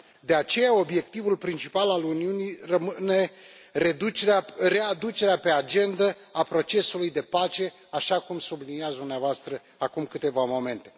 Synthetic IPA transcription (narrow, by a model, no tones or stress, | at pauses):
d̪e̞at͡ʃe̞jao̞bje̞k̚t̪ivulpɾint͡ʃipalaluniunirəmɨne̞ | reeare̞ad̪ut͡ʃe̞ɾeape̞ad͡ʒe̞nd̪ə | apɾo̞t͡ʃe̞sulujd̪e̞pat͡ʃe̞ | aʃakumsubliniat̪sd̪umneavoast̪ɾə | akumkɨt̪e̞vamo̞me̞nt̪e̞